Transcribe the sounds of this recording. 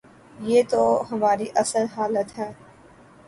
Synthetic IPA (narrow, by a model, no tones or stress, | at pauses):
jeːt̪oːɦəmaːɾiːʔəsəɾɦaːlət̪ɦɛː